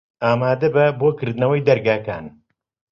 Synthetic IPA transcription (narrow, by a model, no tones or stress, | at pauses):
aːmaːd̪ɐbɐboːkɨɾd̪ɨnɐwɐjd̪ɐɾɡaːka̰ːn